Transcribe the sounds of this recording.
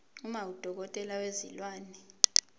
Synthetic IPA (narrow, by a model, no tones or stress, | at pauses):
umawud̥ʱɔk̬ɔtʼɛlawezilwaːnɛ